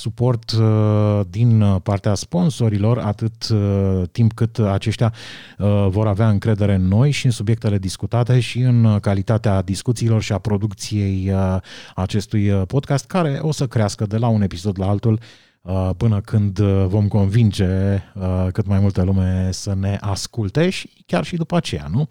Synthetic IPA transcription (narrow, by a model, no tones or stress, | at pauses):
supo̞rt̪ | d̪inpart̪easpo̞nso̞ɾilo̞ra̰t̪ɨt̪ː | impkɨt̪at͡ʃe̞ʃt̪ʲa | vo̞ɾaveaɨŋkɾe̞d̪e̞ɾe̞nːo̞jʃiɨnsubje̞k̚t̪e̞le̞d̪iskut̪at̪e̞ʃiɨnkalit̪at̪ead̪iskut̪siːlo̞rʃiapɾo̞d̪ukt̪sije̞jəat͡ʃe̞st̪ujəpo̞d̪kast̪̚kaɾe̞ʔo̞səkɾeaskəd̪e̞laune̞piso̞d̪laalt̪ul | əpɨnəkʰɨnd̪vo̞mko̞nvind͡ʒe̞əkɨt̪majmult̪elume̞səne̞ʔaskult̪e̞ʃi̥ | kʲarʃid̪upəat͡ʃe̞ja̰nu